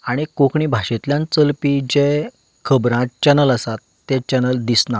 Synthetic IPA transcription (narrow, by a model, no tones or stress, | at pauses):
aɽ̃ikõkʰɳĩːbʱaɕet̪ljãnt͡səlpid͡ʑe | kʰəbɾãt͡ɕɛnələsat̪ːẽt͡ɕɛnəld̪isna